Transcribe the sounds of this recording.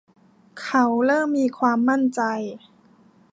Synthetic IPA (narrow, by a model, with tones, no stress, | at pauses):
kʰa˦˥wɾɤː˥˩mːiː˧kʰwaː˧mːa˥˩nt͡ɕa˧j